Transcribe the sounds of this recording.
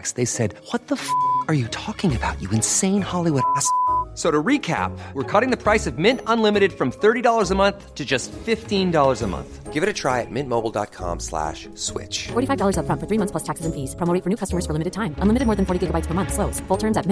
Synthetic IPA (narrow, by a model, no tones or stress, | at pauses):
ksðeɪsɛd̚wʌt̪̚ðəfə˞jɨtʰɔkɪ̃ŋɨbaʊt͡ʃɨɨ̃nsẽɪ̃nhɑlˠiwʊɾæssoʊɾəɹikʰæ̰p̚wəɹkʰʌɾɪ̃ŋðɨpʰɹ̥aɪsʌvmɪ̃ntə̃nlɪ̃mɨɾɨd̥fɹʌ̃mθɜ˞ɾidɔlˠə˞zəmʌ̃nθtʰɨd͡ʒʌstfɪftĩndɔlˠə˞zəmʌ̰̃nθɡ̥ɪvɨɾɨtʰɹ̥aɪɨ̰t̚mɪ̃nmoʊbl̩ˠdɑ̰t̚kʰɑ̰̃mslæ̰ʃ | swɪ̰t͡ʃfɔɹɾifaɪvdɔlˠə˞zʌfɹʌ̃nfə˞θɹimʌ̃θsʰlʌstʰæksɨz̃n̩fiz̥pʰɹ̥ɑmoʊɾɪ̃ŋfə˞nʉkʰʌstəmə˞z̥fə˞lɪmɨɾɨd̚tʰãɪ̃mə̃nlɪmɨɾd̚mɔːɹðɨ̃nfɔɹɾiɡɪɡəbaɪtspʰə˞mʌ̃nθsloʊz̥fʊlˠtʰɜ̃˞mzɨt̚mɪ̃